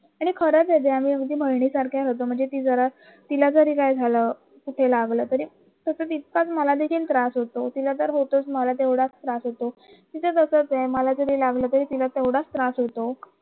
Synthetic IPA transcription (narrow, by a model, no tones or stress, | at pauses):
aɽ̃ikʰəɾət̪et̪eamiːəɡd̪iːbʱəɽɳiːsaɾkʰjaɾət̪om̤əɳd͡zet̪iːd͡zəɾa | t̪ilad͡zəɾiːkajd͡zʱaləː | kuʈʰelaɡləːt̪əɾiː | t̪əsət͡sit̪̚kat͡sməlad̪ekʰiːlt̪ɾasɦot̪ot̪ilat̪əɾɦot̪ot͡sməlat̪ewɽat͡st̪ɾasɦot̪o | t̪it͡sət̪əsət͡seməlad͡zəɾiːlaɡləːt̪əɾiːt̪ilat̪eʋɽast̪ɾasɦot̪o